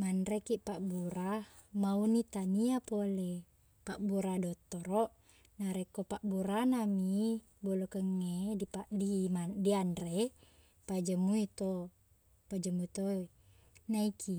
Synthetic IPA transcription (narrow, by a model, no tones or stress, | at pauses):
mandɾekiʔpaʔbuɾa | maunit̪aniapole | paʔbuɾadot̪ːoɾoʔ | naɾekopaʔbuɾanami | bolokəŋːeipadimadianre | pad͡ʒəmːuit̪o | pad͡ʒəmːuit̪o | naikʰi